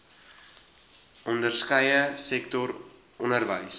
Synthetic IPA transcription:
ɔndərskəjəsɛktɔr | ɔnərvəjs

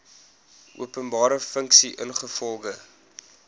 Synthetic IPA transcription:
ʔṵəpənbɑːɾəfəŋksiʔənχəfɔlˠɡə

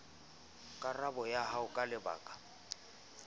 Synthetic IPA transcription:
kʼarabɔjaɦaʊkʼalɪba̰ːkʼḁ

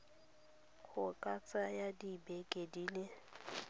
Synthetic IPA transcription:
ɣʰʊkʼat͡sʼajadibekʼediːle

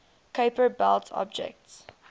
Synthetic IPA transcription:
kʰeɪpəbɛlˠtʰɔ̰b̚d͡ʒɛ̰k̚ts

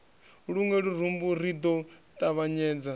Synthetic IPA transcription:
ɺuŋɛɺuɾ̤umbuɾid̪ɔtʼaβaɲɛːd͡za

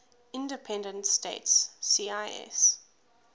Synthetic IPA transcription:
ɪ̃ndəpʰɛ̃ndə̃ntstḛɪtsːiːaɪɛ̰s

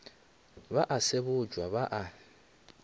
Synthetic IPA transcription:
baʔasɪbʊd͡ʒwaβaʔa

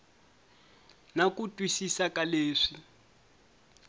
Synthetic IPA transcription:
nakutʼwisisakaleːʂi

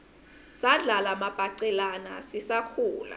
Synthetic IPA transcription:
saɮalamab̥ʱaǀɛlana̰sisakʰuːla̰

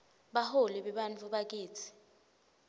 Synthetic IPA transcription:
ɓaholiɓɛɓant͡fʰuɓak̬iːt͡sʰi̥

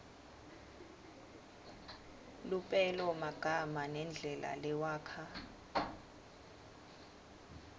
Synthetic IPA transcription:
lupʼɛlɔmaɡ̥ʱamanɛnd͡ɮʱɛla̰lɛwaːkʰa

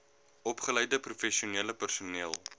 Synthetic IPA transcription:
ɔpχələjdəprufɛsiuniələpərsuniəlˠ

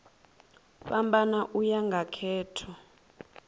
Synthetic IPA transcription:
ɓambanaʔujaŋɡʱakʰɛːtʰɔ

